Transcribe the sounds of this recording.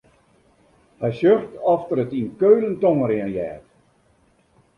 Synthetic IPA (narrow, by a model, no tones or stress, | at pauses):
hɛjsøxtɔftəɾətinkøːləntoŋəɾɪənjɛːt